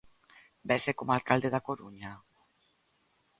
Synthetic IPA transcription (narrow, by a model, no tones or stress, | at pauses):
besekomalkald̪eðakoɾuɲa